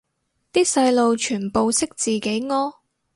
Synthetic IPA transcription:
t̪iː˥sɐ˧jlo˨wt͡ʃʰyː˨˩npo˨˧wsɪ˥k̚t͡siː˨ke˨˥jŋɔː˥

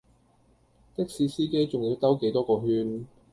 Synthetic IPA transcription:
t̪ɪ˥k̚siː˨˧siː˥ke˥jt͡sʊ˨ŋji˨˧˥t̪ɐ˥wke˨˥jt̪ɔː˥kɔː˧ɦyː˧n

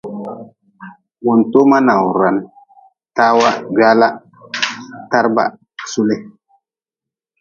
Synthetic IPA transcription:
wu˨nto˦ma˦na˨wɾa˨n | ta˦wa˦ɡa˦la˦ | ta˦ɾba̰˦˨ | su˦le˦

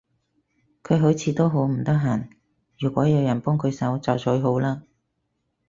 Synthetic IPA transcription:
kʰɵ˨˧ɥɦo˨˥wt͡sʰiː˨˧t̪o˥wɦo˨˥wm̩˨˩t̪ɐ˥k̚ɦaː˨˩n | jyː˨˩kʷɔː˨˥jɐ˨˧wjɐ˨˩npɔː˥ŋkʰɵ˨˧ɥsɐ˨˥wt͡sɐ˨˩wt͡sʰɵ˨˧ɥɦo˨˥wlaː˥

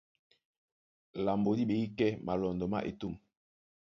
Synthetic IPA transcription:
la˨mbo˨di˦ɓe˨i˦kɛ˦ma˨lɔ˨ndɔ˨ma̰˦ʔḭ˨tu˦˨m

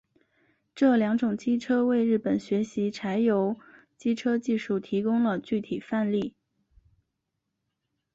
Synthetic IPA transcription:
ʈ͡ʂɤ˥˩ljɑ˧˥ŋʈ͡ʂʊ˨˩ŋt͡ɕi˥ʈ͡ʂʰɤ˥we˥˧ɪɻɻ̩˥˩pə˨˩nɕɥɛ˧˥ɕi˧˥ʈ͡ʂʰa˧˥ɪjo˧˥ʊ | t͡ɕi˥ʈ͡ʂʰɤ˥t͡ɕi˥˧ʂu˥˩t̪ʰi˧˥kʊ˥ŋlə˨t͡ɕy˥˩t̪ʰi˨˩fa˥˧nli˥˩

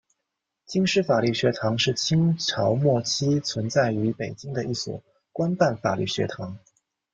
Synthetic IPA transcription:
t͡ɕi˥ŋʂɻ̩˥˩fa˨˩ly˥˩ɕɥɛ˧˥t̪ʰɑ˧˥ŋʂɻ̩˥˩t͡ɕʰi˥ŋʈ͡ʂʰɑ˧˥ʊmwɔ˥˩t͡ɕʰi˥t͡sʰwə˧˥nt͡sa˥˩ɪy˧˥pe˨˩ɪt͡ɕi˥ŋd̪ə˨i˥˩swɔ̰˨˩ | kwa˥npa˥˩nfa˨˩ly˥˩ɕɥɛ̰˧˥t̪ʰɑ˧˥ŋ

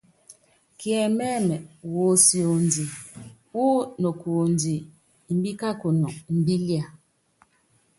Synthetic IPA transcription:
kjɛ˨mɛ˦mɛ˨wo˨˦si˨o˨n˨di˨ | u˦no˨ku˨o˨n˨di˨ | m̩˦bi˦ka˦ko˨nɔ˨m̩˨bi˦li˦a˨

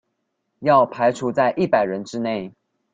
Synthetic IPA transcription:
jɑ˥˩ʊpʰa˧˥ɪʈ͡ʂʰu˧˥t͡sa˥˧ɪʔi˥˩pa˨˩ɪɻə˧˥nʈ͡ʂɻ̩˥ne˥˩ɪ

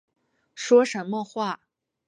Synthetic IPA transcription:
ʂwɔ˥ʂə˧˥nmə˧xwa˥˩

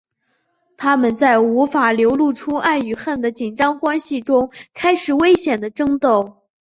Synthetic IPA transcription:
t̪ʰa˥mə˨nt͡sa˥˩ɪu˧˥fa˨˩ljo˧˥ʊlu˥˩ʈ͡ʂʰu˥a˥˩ny˨˩xa˥˩nd̪ə˩t͡ɕi˨˩nʈ͡ʂɑ˥ŋkwa˥nɕi˨ʈ͡ʂʊ˥ŋkʰa˥ɪʂɻ̩˨˩we˥ɪɕjɛ˨˩nd̪ə˦ʈ͡ʂɤ˥ŋt̪o˥˩ʊ

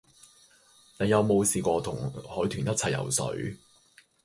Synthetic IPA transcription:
ne˨˧jɐ˨˧wmo˨˧wsiː˨kʷɔː˧t̪ʰʊ˨˩ŋhɔː˨˥jt̪ʰyː˨˩njɐ˥t̚t͡sʰɐ˨jɐ̰˨˩wsɵ̰˨˥ɥ

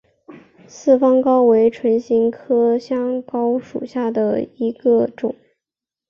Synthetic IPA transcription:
sɹ̩˥˩fɑ˥ŋkɑ˥ʊwe˧˥ɪʈ͡ʂʰwə˧˥nɕi˧˥ŋkʰɤ˥ɕjɑ˥ŋkɑ˥ʊʂu˨˩ɕja˥˩d̪ə˩i˧˥ɡə˧ʈ͡ʂʊ˨˩˦ŋ

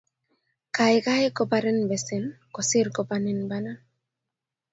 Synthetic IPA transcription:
ka˨jka˦jkopaɾe˦nbɛ˨sin | ko˨si˦ɾkopani˦nbana˦

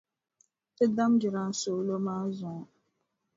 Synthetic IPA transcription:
te˦da˦m̩˦d͡ʒɪ˨ɾa˨n̩˦so˨˦lo˦ma˦zɔ˨˦

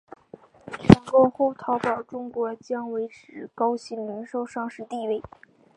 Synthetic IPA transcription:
tʰi˧˥ŋkɔ˥˧xo˥˩ʊt̪ʰɑ˧˥ʊpɑ˨˩ʊʈ͡ʂʊ˥ŋkwɔ˧˥t͡ɕjɑ˥ŋwe˧˥ɪʈ͡ʂʰɻ̩˨˩kɑ˥ʊɕi˧˥nmi˧˥nʂo˥ʊʂɑ˥˧ŋʂɻ̩˥˧t̪i˥˧we˥˩ɪ

